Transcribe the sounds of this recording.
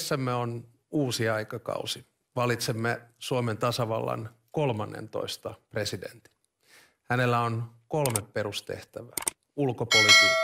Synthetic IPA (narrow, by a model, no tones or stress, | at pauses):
sːæmːeon | uːsiɑjkɑkɑ̰usi | ʋɑlit̪semːesuoment̪ɑsɑʋɑlːɑ̰nko̞lmɑnːḛnt̪o̞̰ist̪ɑpre̞sidḛnt̪i̥ | hæne̞lːæonko̞lmepːe̞ɾust̪e̞̰ht̪æʋæ | ulkopolit̪ikː